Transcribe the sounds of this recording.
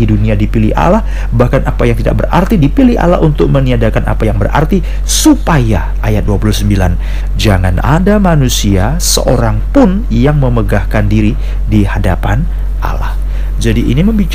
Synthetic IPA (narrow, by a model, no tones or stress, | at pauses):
iduniadipilɪ̰ha̰lah | bahkanʔapajaŋt̪ida̰k̚bəra̰rt̪idipiliha̰la̰ɦunt̪ʊk̚məniadakanʔa̰pajaŋbərʔa̰rt̪i | supaja | ajat̪̚duapuluhsəmbilan | d͡ʒaŋanʔa̰damanusia | sə̰ʔoɾaŋpʊn | jaŋməməɡahkandiɾi | dihadapan | ʔa̰la̰h | d͡ʒadiʔḭniməmbit͡ʃ